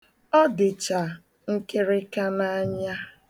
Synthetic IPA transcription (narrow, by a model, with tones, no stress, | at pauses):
ɔ˦dɪ˨t͡ʃa˨ | ŋ̩˦ke˦ɾɪ˦ka˦na˦ɲa˦